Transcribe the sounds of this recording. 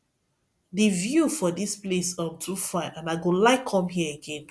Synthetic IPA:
divjufɔdisplesɔ̃mtʰufãɪ̃nãnaɪɡõlaɪkʰɔ̃mɦiəəɡẽn

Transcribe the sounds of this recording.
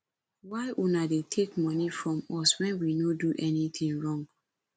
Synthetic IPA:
waɪʔunadetʰekmɔnifɹɔ̃mɔswɛ̃nwinoduʔɛnit̪ʰĩŋɹɔ̃ŋɡ

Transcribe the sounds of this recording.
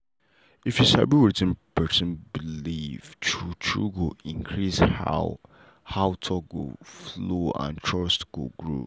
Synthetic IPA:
ifjusa̰biwɛtɪ̃npʰɛsɪ̃nbilivtʰut͡ʃʰɹṵɡoĩŋkʰɹisha | haʊtʰɔɡo̰floã̰ntʰɹɔstɡ̥o̰ɡɹo̰

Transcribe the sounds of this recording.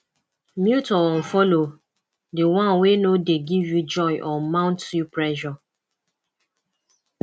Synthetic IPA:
mjutɔɔ̃n̩fɔlo | dewãnwenodeɡivjud͡ʒɔɪʔɔmãʊ̃ntjupɹɛʃɔ

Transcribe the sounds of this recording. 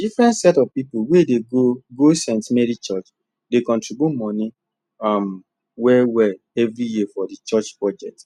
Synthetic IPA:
difɾɛ̃ntsɛtɔvpipuwedeɡoɡosẽntmɛɾit͡ʃɔt͡ʃ | dekɔ̃ntɹibomɔ̃nĩ | am | wɛwɛ | ɛvɾijifɔdit͡ʃɔt͡ʃpɹɔd͡ʒɛk̚t

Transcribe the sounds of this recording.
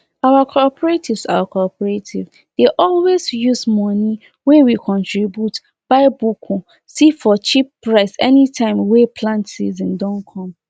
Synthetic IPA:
awakʰɔpʰɔɹetʰivsakʰɔpɔɹetʰḭv | deʔɔlwezjuzmɔni | wewikʰɔ̃ntʰɹibjut | b̥aɪbukʰu | sifɔt͡ʃipːɹaɪsɛnitʰãɪ̃mwepʰlãntsḭzĩndɔ̃nkʰɔ̃m

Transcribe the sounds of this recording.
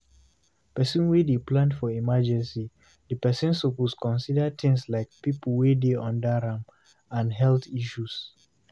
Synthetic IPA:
pɛsĩnwedeplãndfɔimad͡ʒɛ̃nsi | dəpɛsĩnsoposkɔ̃nsidət̪ɪ̃ŋslaɪk̚pipəlwedeɔ̃ndaɾãm | ãnɦɛltiʃus

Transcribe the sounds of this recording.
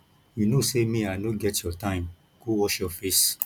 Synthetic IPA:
junosemĩanoɡɛtjɔtãɪ̃m | kowɔʃjɔfes

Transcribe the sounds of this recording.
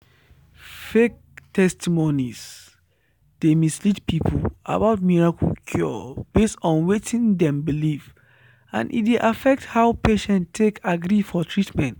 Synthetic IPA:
fek̚tʰɛstimonis | d̥emislitpʰipʰua̰baʊt̚miɹakukʰjɔ̰b̥estɔ̃nwetĩndɛ̃mbiliv | ã̰nʔḭtdeʔafɛk̚thaʊpeʃɛ̃nttʰːekaɡɹifɔtʰɹitmɛ̃nt

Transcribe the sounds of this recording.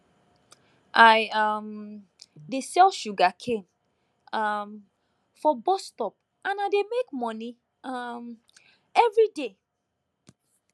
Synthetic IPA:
ʔaɪʌm | desɛlʃuɡakʰẽm | ʌm | fɔbɔstɔp̚ | ãnaɪdemekmɔ̃ni | ʌm | ɛvɹide

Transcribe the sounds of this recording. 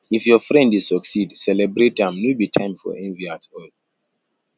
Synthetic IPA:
ifjɔfɹɛ̃ndisɔksidsɛlɛbɾetãmnubitʰãɪ̃mfɔ̰ʔɛ̃nviatɔɪl

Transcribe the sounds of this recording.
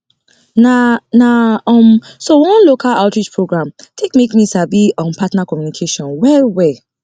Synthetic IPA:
nanaɔ̃msowɔ̃nlokʰalaʊtɹid͡ʒpʰɹoɡɹãmtʰekmekmisabiɔ̃mpʰatnakɔmjunikʰeʃɔ̃nwɛwɛ

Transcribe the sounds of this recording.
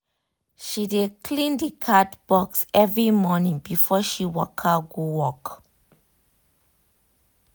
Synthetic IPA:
ʃidekʰlĩndikʰatb̥ɔksɛvɹimɔnĩŋbifɔʃiwɔkʰəɡuwɔk

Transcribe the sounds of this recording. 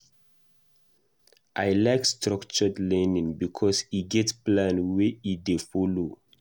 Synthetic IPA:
ʔajlaɪkstɾɔkt͡ʃɔdlɛ̃nĩŋbikʰɔsiɡɛtplãnweidefɔlo

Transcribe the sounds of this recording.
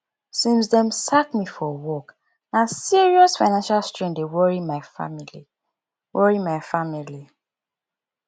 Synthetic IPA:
sĩms̬dɛ̃msakmifɔwɔk | nãsiɹiɔsfaɪnãnʃalstɹɛ̃ŋdewɔɹimaɪfa̰mili | wɔɹimaɪfamili

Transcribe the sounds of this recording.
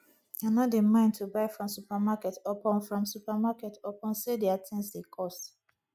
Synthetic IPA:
anɔtdemãɪ̃ntʰubaɪfɹɔ̃msupamakɛtɔpɔ̃nfɹɔ̃msupamakɛtɔpɔ̃nsedeatʰɛ̃nsdekʰɔs

